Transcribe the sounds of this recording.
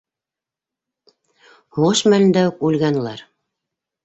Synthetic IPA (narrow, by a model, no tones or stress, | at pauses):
huuɤʃmælɘ̆nd̪æukʉlɡæn̆lˠæɾ